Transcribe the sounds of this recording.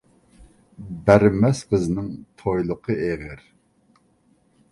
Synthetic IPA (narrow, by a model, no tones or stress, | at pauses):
bæɾmɛsqʰəznɪŋt̪ʰojlˠəqʰəʔeʁəɾ